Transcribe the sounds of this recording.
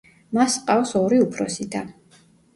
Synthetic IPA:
masqʼafsɔɾiupʰɾɔsid̪a

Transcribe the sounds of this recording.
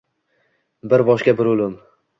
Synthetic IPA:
bɪɾbɒʃkʲabɪɾʊlɪm

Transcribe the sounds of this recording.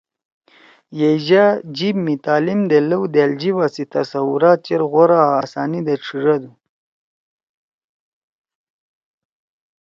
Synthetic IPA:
jed͡ʑad͡ʑibmit̪aːlimd̪eləwd̪eld͡ʑiwasit̪ɐsawuɾaːt̪̚t͡ʃeɾɣoɾaːsaːnid̪eʈ͡ʂʰiʐad̪u

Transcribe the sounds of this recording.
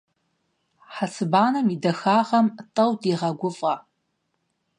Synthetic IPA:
ħasʰɨbaːnɐmidɐxaːʁɐmtʼɐwdiːʁɐɡʷʊfʼʁɐ

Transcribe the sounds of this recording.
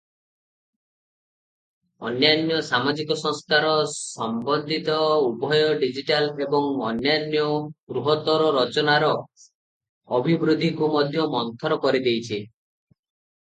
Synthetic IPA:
ɔ̰njanjɔsamad͡ʒikɔsɔŋskaɾɔsɔmbɔnd̪ʱit̪ɔubʱɔjɔɖid͡ʒiʈalebɔŋɔnjanjɔɡɾuɦɔt̪ɔɾɔɾɔt͡ʃɔnaɾɔ | ɔbʱibɾud̪ʱikumɔd̪ʱjɔmɔnt̪ʰɔɾɔkɔɾid̪ejt͡ʃʰi

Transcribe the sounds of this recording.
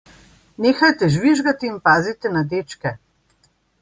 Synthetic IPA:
neːxajt̪ɛʒʋiʒɡat̪iːmpaːzit̪ɛnad̪eːt͡ʃkɛ

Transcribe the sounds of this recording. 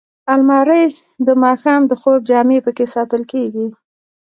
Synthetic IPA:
almɑɾəjd̪əmɑxɑmd̪əxob̚d͡ʒɑmepəkesɑt̪əlkeɡi

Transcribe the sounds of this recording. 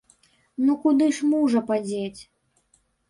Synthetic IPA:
nukud̪ɨʂmuʐɐpad͡zʲet͡sʲ

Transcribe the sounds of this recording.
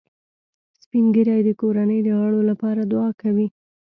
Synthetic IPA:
spiŋɡəɾɑjd̪əkoɾanəjd̪əɣaɭolapɑɾad̪ʊɑkawi

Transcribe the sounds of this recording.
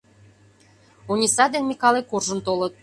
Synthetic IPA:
unʲisɑd̪enmʲikɑlekorʒə̆nt̪olɤ̆t̪̚

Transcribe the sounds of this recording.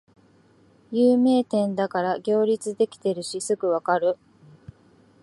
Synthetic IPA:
jɯːme̞ːt̪ẽ̞nd̪akaɾaɡʲo̞ːɾʲit͡sɨd̪e̞kʲi̥t̪e̞ɾɯ̟ɕisɨɡɯ̟βakaɾɯ̟

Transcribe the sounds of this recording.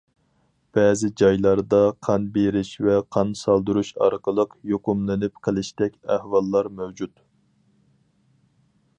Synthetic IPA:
b̥ɛːzɪd͡ʒɑjlˠɑɾd̪ɑqʰɑnbeɾɪʃvɛqʰɑnsɑlˠd̪uɾuʃɑ̰ɾqəlˠəqjoqʊmlˠɪnɪp̚qʰəlˠɪʃt̪ɛkʲæhwɑlˠːɑɾmæwd͡ʒut̪

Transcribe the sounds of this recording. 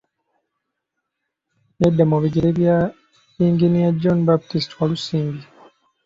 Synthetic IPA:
edːemoβiɡeɾeβja | iːŋɡinijad͡ʒonbaptistwalusiːmɡi

